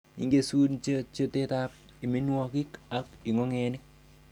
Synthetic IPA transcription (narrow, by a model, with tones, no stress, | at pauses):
ḭ˨ŋɡe˦su˦nt͡ʃet͡ʃo˦teta˦p̚ | i˨mi˦nwɔ˦ki˦ka˦ki˨ŋo˦ŋe˨nɪ˦k̚